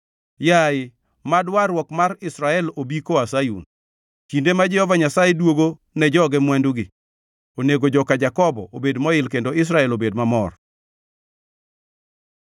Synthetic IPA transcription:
jaɪ | madwaɾwɔkmaɾɪsɾaɛlobikoasajṵn | t͡ʃindemad͡ʒɛhɔvaɲasajedwoɡo | nɛd͡ʒɔɡɛmwɛnduɡɪ | oneɡod͡ʒɔkad͡ʒakɔbɔ̰ʔobedmɔɪlkendoɪs̬ɾaɛlobedmamɔr

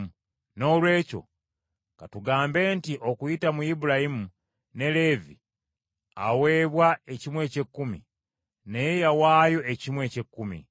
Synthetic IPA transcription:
no̞ːlwe̞ːco̞̰ | katuɡaːmbe̞ːntiʔo̞kujitamuibuɾajimu | ne̞le̞vi | a̰we̞ːβwae̞cimwe̞ːce̞kːumḭ | nejejawaːjo̞ʔecimwe̞cekːumḭ

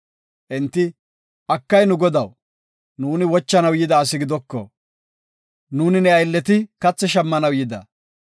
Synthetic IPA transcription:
ʔɛnt̪ːɪ | ʔɐkːɐjnʊɡɔd̪ɐw | nuːnɪwɔt͡ʃːɐnɐwjɪd̪ɐːs̬ɪɡɪd̪ɔkːɔ̰ | nuːnɪnɛɐjlːɛt̪ɪkɐt͡sːɛʃɐmːɐnɐwjɪd̪ɐ̰

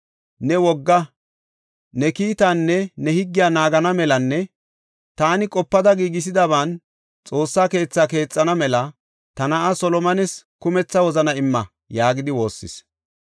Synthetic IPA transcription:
nɛwɔɡːɐ | nɛkiːt̪aːnːɛnɛhɪɡːɪjaːnaːɡɐnɐmɛlɐnːɛ | t̪aːnɪkʼɔpːɐd̪ɐɡiːɡɪs̬ɪd̪ɐβaːn | t͡sʼo̞ːsːaːke̞ːt͡sːaːke̞ːt͡sʼːɐnɐmɛlɐ | t̪ɐnɐʔɐsɔlɔmɐnɛskʊmɛt͡sːɐwɔzɐnɐɪmːɐ | jaːɡɪd̪ɪwo̞ːsːɪ̰s

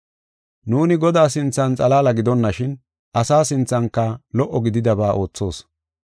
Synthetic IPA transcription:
nuːnɪɡɔd̪aːs̬ɪnt͡sːɐnt͡sʼɐlaːlɐɡɪd̪ɔnːɐʃɪn | ʔɐsaːsɪnt͡sːɐŋkːɐlɔʔːɔɡɪd̪ɪd̪ɐbaːʔo̞ːt͡sːo̞ːs

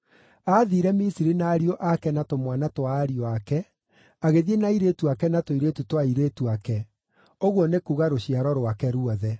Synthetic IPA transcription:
aðiɾɛmisiɾinaːɾioʔakɛnatomwanatwaːɾiɔakɛ | aɣeðienaiɾetuakɛnatoiɾetutwaiɾetuakɛ | oɣwɔnekuɣaɾoɕiaɾɔɾwakɛɾuɔðɛ

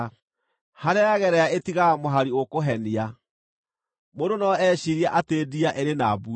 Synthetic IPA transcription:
haɾeaɣɛɾɛaetiɣamoɦaɾiokoɦɛnia | mondonɔɛɕiɾiaʔateːdiaʔeɾenabu

